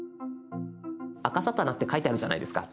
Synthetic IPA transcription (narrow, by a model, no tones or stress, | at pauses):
akasat̪ːanakɯ̟t̪ːe̞kait̪eaɾɯ̟ʑana̰id̪e̞sɨ̥ka̰